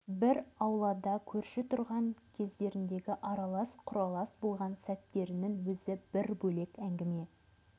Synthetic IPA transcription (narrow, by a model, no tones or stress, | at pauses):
bɪɾɑwlˠɑd̪ɑkʲʰɵɾʃɪt̪ʰʊɾʁɑŋkʲʰe̞zd̪e̞ɾɪnd̪e̞ɡʲɪʔɑɾɑlˠɑsqʰʊɾɑlˠɑsbo̞lˠʁɑnsæt̪ːe̞ɾɪnɪŋwɵzɪb̥ɪɾbɵle̞kæŋɡʲɪme̞